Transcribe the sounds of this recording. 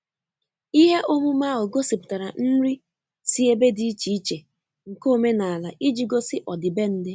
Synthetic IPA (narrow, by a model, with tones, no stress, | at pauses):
i˦ɦe˦ʔo˦mu˦ma˦ɦʊ˨ɡo˦si˨pʊ̥˨ta˨ɾa˨n̩˦ɾi˦ | si˦e˦be˦di˦i˦t͡ʃi˨i˦t͡ʃe˨ | ŋ̩˨ko˦me˦na˨a˨la˨ʔi˦d͡ʒi˨ɡo˦sɪ˦ʔɔ˨dɪ˨be˦n̩˦dɪ˦